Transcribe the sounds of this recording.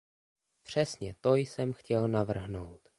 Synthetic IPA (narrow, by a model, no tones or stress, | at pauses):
pr̝̥ɛsɲɛt̪o̞jsɛmxcɛlnavr̩ɦno̞wt̪